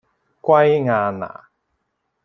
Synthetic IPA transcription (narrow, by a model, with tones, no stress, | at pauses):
kwa˦jŋa˨na̰˨